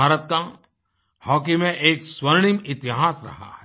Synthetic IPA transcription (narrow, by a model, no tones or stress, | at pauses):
aːɾət̪̚ka | hɔːkimẽʔeːkswəɾɽ̃imɪt̪ɪɦaːsɾɐ̰ɦa̰hɛ